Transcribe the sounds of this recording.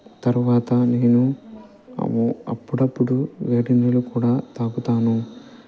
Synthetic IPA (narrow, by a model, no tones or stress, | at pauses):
t̪ɐɾuʋaːt̪ɐneːnṵ | muɐ̰pːuɽɐpːuɽuʋeːɖinɾulukuːɽaːt̪aːɡut̪aːnu